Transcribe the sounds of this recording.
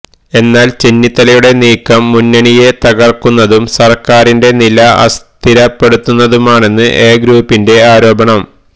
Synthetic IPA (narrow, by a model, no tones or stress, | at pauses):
e̞nːaːlt͡ɕenːit̪ːɐlɐjuɽe̞niːkːɐmːunːɐɳije̞t̪ɐɡɐrkunːɐðumsɐrkaːɾinde̞nilɐɐ̰st̪ʰiɾɐpːe̞ɽut̪ːunːɐðumaːɳe̞nːɨʔeːɡɾuːpːinde̞aːɾo̞ːbɐɳɐm